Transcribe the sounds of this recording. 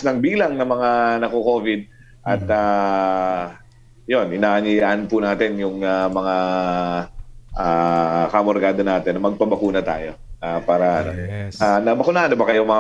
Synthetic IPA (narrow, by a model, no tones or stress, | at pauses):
nɐŋbiːlɐŋnɐmɐŋanɐkoko̞ːvɪd̪̚ | ʔɐt̪a | jo̞nʔɪnaːʔɐnijaʔɐnpʊnaːt̪ɪnjʊŋamɐŋa | ʔakɐmoɾɡaːd̪onaːt̪ɛnːɐmɐɡ̚pɐbɐkuːnɐt̪a̰ːjo̞ | apaːɾɐʔɐnoanɐbɐkʊnaʔɐnobɐkɐjomɐŋ